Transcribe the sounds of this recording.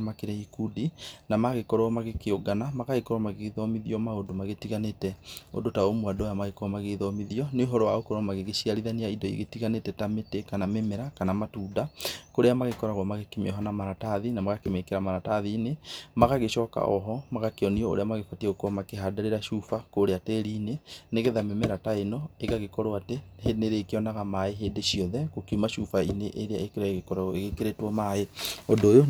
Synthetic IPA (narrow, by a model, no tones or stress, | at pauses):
makeɾɛikudinamaɣekɔɾɔmaɣekeoɡanamaɣaɣekɔɾɔmaɣeðɔmiðiɔmaodomaɣetiɣanetɛo̰dotaomwadɔjamaɣekɾɔmaɣeðɔmiðiɔneoɦɔɾɔwaokɔɾɔmaɣeɣeʃiaɾiðaniaidɔḭɣetiɣanetɛtametekanamemɛɾakanamatuːdakoɾeamaɣekɔɾaɣwɔmaɣekemḛɔɦanamaɾataðinamaɣakemekeɾamaɾataðiːnemaɣaɣeʃɔka̰ʔɔɦɔmaɣakeɔniɔo̰ɾeamaɣefatieɣokwɔmakeɦadaɾeɾaʃufakoɾeateɾiːneneɣeðamemɛɾataenɔeɣaɣekɔɾoatehedneɾeːkeɔnaɣamaeɦeːdeʃiɔðɛɣokimaʃufaineʔeɾea̰ekeɾaeɣekɔɾaɣɔeɣekeɾetwɔmaeodoːjo